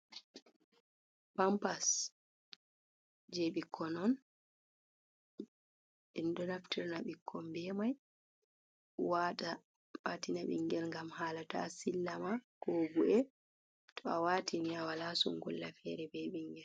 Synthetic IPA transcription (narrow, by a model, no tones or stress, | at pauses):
pampas | d͡ʒeɓikʰːɔnɔn | ɛndɔnaftiɾnaɓikʰːɔmbɛmaj | wata | watinaɓḭŋɡɛlŋɡamhaːlata̰silːamakɔbuʔɛ | tʰɔawaːtʰiniawalasṵŋɡṵlːafɛɾɛbɛɓiŋɡɛl